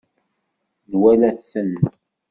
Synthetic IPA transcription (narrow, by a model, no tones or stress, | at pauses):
nwælæθən